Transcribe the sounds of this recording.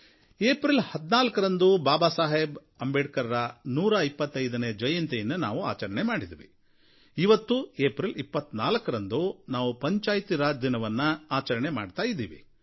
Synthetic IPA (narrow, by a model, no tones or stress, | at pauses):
eːpɾilhɐd̪naːlɐkɐɾɐnd̪ubaːbaːsaːɦeb | ɐmbeʈkɐɾɐɾɐnuːɾɐipːɐt̪ːɐjd̪ɐneːd͡ʒɐjɐnt̪ejɐnːɐna̰ːʋua̰ːt͡ʃɐɾɐɳemaːɽid̪iʋḭ | iʋɐt̪ːueːpɾilipːɐt̪ːnaːlɐkɐɾɐnd̪unaːʋupɐɲt͡ʃaːjt̪iɾaːd̪inɐʋɐnːɐaːt͡ʃɐɾɐɳemaːɖt̪aːjid̪ːḭːʋḭ